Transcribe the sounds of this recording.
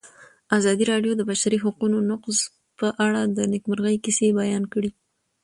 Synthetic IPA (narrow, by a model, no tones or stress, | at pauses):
azɑd̪iɾɑɖjod̪əbaʃaɾiɦaqunonʊqz | pəʔaɽad̪ənɪkmaɾɣəjkisebajɑnkəɽi